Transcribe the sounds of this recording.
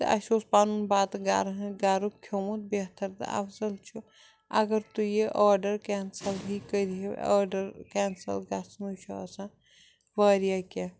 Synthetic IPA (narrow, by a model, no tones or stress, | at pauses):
ɐ̰ʃoːspaːnunbaːt̪ɡaːɾɦẽɡaːɾukkʰjoːmut̪̚beɦt̪əɾt̪ɨ̰ɐ̰fʰsɐlt͡ʃʰu | ɐɡəɾt̪ujeʔaːɾɖɐɾkɛːnsɐlɦikəɾiɦḛɐ̰ːɖəɾkɛːnsɐ̰lɡasnut͡ʃʰoɐ̰sã | ʋaːɾijakʲe